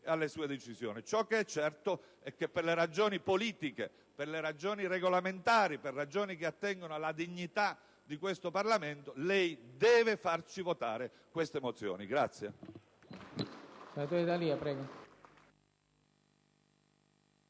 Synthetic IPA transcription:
alːesuːed̪et͡ʃizjo̰ːnit͡ʃɔk̟ːeɛt͡ʃːɛrt̪o | ɛkːepːerleɾad͡ʒoːnipoliːt̪ike | perleɾad͡ʒoːnireɡolament̪aːɾiperːad͡ʒoːnikeat̪ːɛŋɡonoalːad̪iɲːit̪a | d̪ikwest̪oparlament̪olɛjd̪ɛːvefart͡ʃivot̪aːɾe | kwest̪emot̪sjo̰ːniɡɾat̪sːje | senat̪oːɾed̪aliapɾɛːɡo

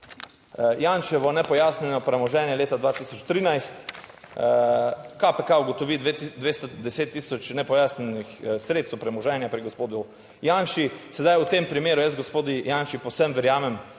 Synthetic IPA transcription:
jaːnʃɛʋɔnɛpɔjaːsnɛnɔpɾɛmɔʒɛnjɛleːt̪ad̪ʋaːt̪isɔt͡ʃt̪ɾiːnajst̪ | kapɛkauɡɔt̪ɔʋid̪ʋeːst̪ɔd̪ɛseːt̪ːiːsɔt͡ʃnɛpɔjaːsnɛnixsɾeːt̪st̪wpɾɛmɔʒɛːnjapɾiɡospoːd̪u | jaːnʃisɛd̪ajut̪eːmpɾimeːɾujəzɡospoːd̪ijanʃipowsɛmʋɛɾjaːmɛm

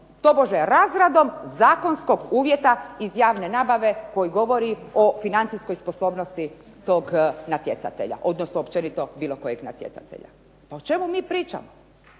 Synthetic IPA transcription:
t̪o̞boʒeɾaːzɾad̪o̞mzaːko̞nsko̞ɡuːʋje̞t̪aizjaːʋne̞naːbaʋe̞ko̞jiɡo̞ʋo̞ɾio̞finant̪isko̞jspo̞so̞ːbnost̪i | t̪o̞ːɡnat̪je̞t̪a̰t̪e̞̰ʎa̰ʔo̞d̪nosnoopt͡ʃe̞nit̪o̞biːlˠo̞ko̞jeɡna̰t̪je̞̰sa̰t̪ḛʎa̰ | paot͡ʃe̞mumiːpɾiːt͡ʃa̰mo

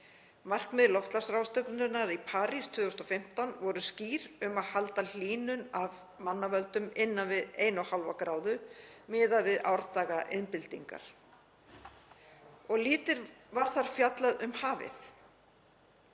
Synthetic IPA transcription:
mar̥kmɛðlɔft̪lasɾawst̪œknnʏnaɾipʰaːɾist̪ʰʏːɣʏst̪ɔfɪm̥t̪awnvɔɾʏsciːɾʏmaðhalt̪al̥iːnʏnav | manːavœlt̪ʏmɪnːanvɪðeːjnahalva̰kɾaːwðʏmɪːðavɪða̰wɾt̪aːɣaʔɪnpɪlt̪iŋka̰ɾ̥ | ɔɣliːt̪ɪɾvaɾ̥θaɾ̥fjat̪laðʏmhaːvɪ̰θ

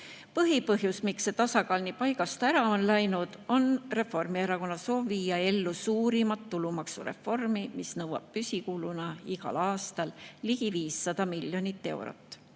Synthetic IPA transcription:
pɤɦipɤɦjusmikset̪ɑsɑkɑːlnipɑjɡɑst̪æɾɑo̞nlæjnud̪̥o̞nre̞fo̞rmieɾɑko̞nːɑso̞ːbviːjɑe̞lːusuːɾimɑt̪ːulumɑksuɾe̞̰fːo̞rmimisnɤwɑ̰b̥̚pysʲikuːlunɑiɡ̥ɑ̰lɑːst̪ɑlliɡ̥iviːsːɑd̪̥ɑmilʲjo̞nit̪ːe̞wɾo̰t̪ːˑ

